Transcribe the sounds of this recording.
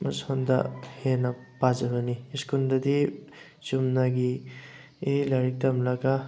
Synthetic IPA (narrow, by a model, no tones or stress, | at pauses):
mashonda̰henapazabaniskundadi | t͡ʃumnaɡi | elaɾik̚tamlaɡa